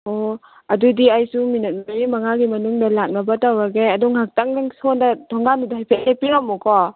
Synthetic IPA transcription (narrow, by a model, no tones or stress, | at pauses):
o | ɐdudiajsuminɐt̚maɾimɐŋaɡimɐnuŋdɐlak̚nɐbɐtawɾaɡeɐduŋhak̚taŋdaŋsondɐtʰɔŋɡanudaɦjpʰet̚lepiɾamːukɔ